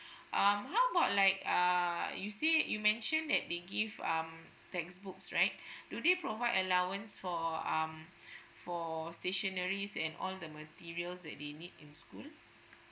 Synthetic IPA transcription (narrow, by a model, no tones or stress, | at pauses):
ʔãmɦawəbaʊt̚laɪkajusejumɛ̃nʃə̃ndɛt̚deɡivãm | tɛksbuksɹaɪt̚d̥udepɹovaɪjdəlawə̃nsfɔãm | fɔsteʃə̃nəɹisɛ̃nɔ̰ldəmətiɹiəlsdɛ̰t̚denidḭ̃nskul